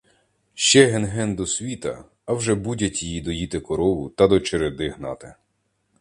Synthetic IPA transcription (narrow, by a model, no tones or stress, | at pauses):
ʃt͡ʃɛɦenɦɛnd̪ɔsʲʋʲit̪ɐː | wʒɛbudʲɐtʲijid̪ɔjit̪ɪkɔɾɔʋʊt̪ɐd̪ɔt͡ʃeɾed̪ɪɦnɑ̰t̪ɪ